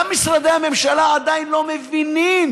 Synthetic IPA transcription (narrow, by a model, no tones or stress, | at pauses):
amisʁad̪eame̞mʃalaad̪ajinlo̞mevinim